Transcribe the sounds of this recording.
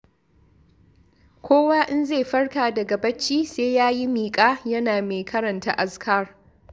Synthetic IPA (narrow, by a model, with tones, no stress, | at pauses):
kʷoː˦waː˦ʔɪ˦nzeː˦˨ɸɐ˦rkaː˨dɐ˨ɡɐ˨bɐ˦t͡ʃːiː˦seː˦jaː˦ji˦miː˨kʼaː˦jɐ˦naː˨meː˨kʰɐ˦ɾɐ˨nta̰˦ʔa˨skʰaː˦˨r